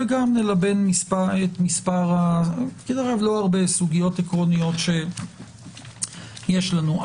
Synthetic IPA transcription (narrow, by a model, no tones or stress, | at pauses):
veɡamnelabe̞nmispaetmispaʁakidaʁavlo̞aʁbe̞suɡijo̞tekʁo̞nijo̞tʃe̞ | jeʃlanu